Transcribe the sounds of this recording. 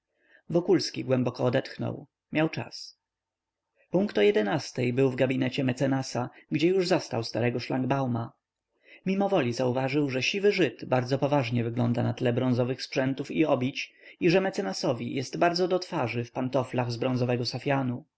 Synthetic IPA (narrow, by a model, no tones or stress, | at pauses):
vɔkulskʲiɡwɛmbɔkɔːd̪ɛt̪xnɔ̰w | mʲjawt͡ʂa̰s | puŋkt̪ɔjɛd̪ɛnast̪ɛjbɘwvɡabʲinɛt͡ɕɛmɛt̪sɛnasaɡd͡ʑɛjuʐzɔst̪a̰wst̪aɾɛɡɔʂlaŋɡbawma | mʲimɔvɔlʲizauvaʐɘwʐɛɕivɘʐɘd̪baɾd̪zɔpɔvaʐɲɛvɘɡlɔnd̪anat̪lɛbɾɔ̃nzɔvɘxspʂɛnt̪ufiɔbʲjit͡ɕiʐɛmɛt̪sɛnasɔvʲḭjʔɛst̪baɾd̪zɔd̪ɔt̪faʐɘfpant̪ɔflaɣzbɾɔ̃nzɔvɛɡɔsafʲjanu